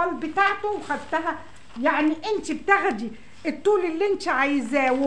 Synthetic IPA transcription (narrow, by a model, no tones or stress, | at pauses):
ɑlbɪt̪aʕt̪ʊwxæd̪t̪ːæɦæ | jaʕniʔɪnt̪ib̚t̪æɣæd̪i | et̪ˤːuːlɪlːiʔɪnt̪iʕajzæːw